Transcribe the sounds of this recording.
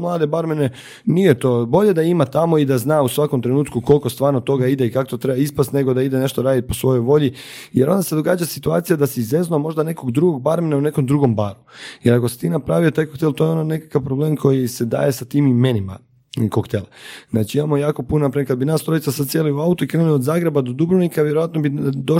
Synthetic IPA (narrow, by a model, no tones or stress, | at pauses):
mlˠaːd̪ebaɾmene | nijet̪o̞ːbo̞ʎe̞d̪aimat̪amo̞id̪aznaːusʋako̞mt̪ɾenuːt̪kuko̞lkost̪ʋaːɾnot̪o̞ɡaid̪eikakot̪ot̪ɾebaispast̪ne̞ɡo̞d̪aid̪e̞ne̞ʃt̪oɾaːd̪it̪̚po̞sʋo̞jo̞jʋo̞ʎi | jeɾo̞nd̪ase̞d̪o̞ɡaːd͡ʒasit̪uaːt̪ijad̪asiːzeznomo̞ʒd̪ane̞ko̞ɡd̪ɾuɡo̞ɡ̚baɾmenaune̞ko̞md̪ɾuɡo̞mbaːɾujeɾako̞si̥t̪iːnapɾaʋiot̪aːjkokt̪elt̪o̞jeo̞none̞kḁkapɾobleːmkʰo̞jise̞d̪a̰je̞sat̪iːmmenima̰ | kokt̪elaznaːt͡ʃiimamo̞jaːko̞punonapɾakad̪binaːst̪ɾo̞jit̪sasad̪̚sjeliuaut̪uikɾeːnuliod̪zaːɡɾe̞bad̪o̞d̪ubɾunikaʋjeɾojat̪no̞bid̪o